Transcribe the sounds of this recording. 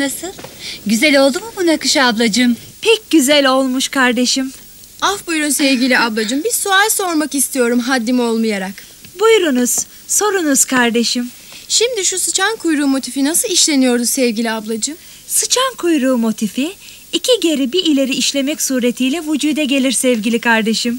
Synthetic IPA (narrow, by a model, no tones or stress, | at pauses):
nasɯlˠɟyzɛlʲo̞lˠd̪umubunakɯʃablˠad͡ʒɯmpʰɛc̚ɟyzælʲo̞lˠmuʃkʰaɾd̪e̞ʃim | afbujɾunsɛvɟʲilʲiablˠad͡ʒɯmbiɾsualʲso̞ɾmakist̪ʰijo̞ɾumɦad̪ːimo̞lˠmajaɾak | bujɾunuz̥ | so̞ɾunuz̥kʰaɾd̪e̞ʃim | ʃimd̪iʃusɯt͡ʃʰankʰujɾuːmo̞t̪ʰifinasɯlˠiʃlʲe̞nijo̞ɾd̪usɛvɡilʲiablˠad͡ʒɯm | sɯt͡ʃʰankʰujɾuːmo̞t̪ʰifiː | cʰiɟe̞ɾibiilʲe̞ɾiːʃlʲe̞mɛcsuːɾe̞t̪ʰijlʲɛvud͡ʒuːd̪ɛɟe̞lʲiɾsɛvɟilʲikʰaɾd̪e̞ʃim